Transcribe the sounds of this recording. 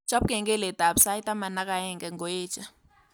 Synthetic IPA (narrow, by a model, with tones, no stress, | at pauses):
d͡ʒ̥a˦p̚kɛ˨ŋɡɛ˦lɛ˨ta˨bsa˦jtʼa˦ma˨na˦k̬ʼa˨ɛ˦˨ŋɡɛ˨ŋɡɔ˨eː˦d͡ʒa˨